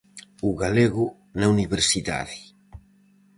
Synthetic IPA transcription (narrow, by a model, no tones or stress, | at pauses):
uɣaleɣu | nauniβeɾsiða̰ði